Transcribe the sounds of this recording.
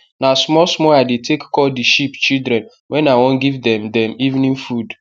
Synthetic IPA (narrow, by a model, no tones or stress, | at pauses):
nasmɔsmɔadetʰekːɔldiʃipt͡ʃildɾɛ̃n | wɛ̃nawɔ̃nɡivdɛ̃mdɛ̃mivnĩnfud